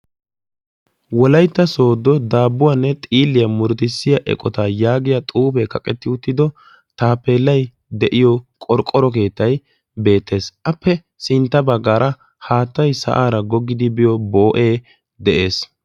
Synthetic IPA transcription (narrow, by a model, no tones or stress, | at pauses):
wɔlɐjt̪ːɐso̞ːd̪ːɔd̪aːbːʊwanːɛt̪ʼiːlːɪjɐmʊɾt̪ɪsːɪjɐʔɛ̰kʼɔt̪ɐjaːɡɪjɐt̪ʼuːpɛkɐkʼɛt̪ːɪʊt̪ːɪd̪ɔ | t̪aːpːeːlːɐj | d̪ɛʔɪjɔkʼɔɾkʼɔɾɔke̞ːt̪ːɐj | be̞ːt̪ːe̞ːsʔɐpːɛ | sɪnt̪ːɐbɐɡːaːɾɐ | haːt̪ːɐjsɐ̰ʔaːɾɐɡɔɡːɪd̪ɪbɪjɔbo̞ːʔeː | d̪ɛʔe̞ːs